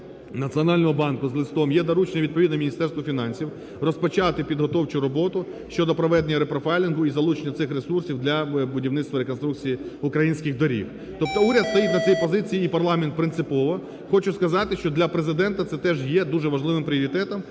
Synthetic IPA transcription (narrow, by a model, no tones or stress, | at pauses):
nɐt͡sʲiɔnɑlʲnɔɦɔbɑnkʊzlˠɪst̪ɔmjɛd̪ɐɾut͡ʃnɛʋʲid̪̚pɔʋʲid̪nɛmʲinʲist̪ɛrst̪ʋɔfʲinɑnʲsʲiw | rɔspɔt͡ʃɑt̪ɪpʲid̪ɦɔt̪ɔwt͡ʃʊɾɔbɔt̪ʊ | ʃt͡ʃɔd̪ɔpɾɔʋɛd̪enʲːɐɾepɾɔfɛjlʲɪnɦʊizɐlˠut͡ʃenʲːɐt̪sɪxresursʲiwd̪lʲɐbʊdʲiwnɪt̪t̪ʋɐɾekɔnst̪ɾukt͡sʲijiʊkɾɐjinʲsʲkʲɪxd̪ɔɾʲḭw | t̪ɔp̚t̪ɔuɾʲɐd̪st̪ɐjit̪ʲnɐt͡s̪ʲijpɔzɪt͡sʲijiːpɐrlˠɑment̪̚pɾɪnt̪sɪpɔʋɔ | xɔt͡ʃʊskɐzɑt̪ɪʃt͡ʃɔd̪lʲɐpɾezɪd̪ɛnt̪ɐt̪sɛt̪ɛʒjɛd̪uʒɛʋɐʒlˠɪʋɪmpɾʲɪɔɾʲit̪ɛt̪ɐm